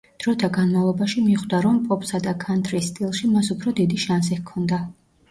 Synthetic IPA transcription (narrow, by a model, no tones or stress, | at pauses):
d̪̥ɾɔt̪ʰaɡanmavlˠɔbaʃimiχd̪aɾɔmpʼɔpʼsad̪akʰant̪ʰʼɾist̪ʼilˠʃimasupʰɾɔd̪id̪iʃans̬ikʰɔnd̪a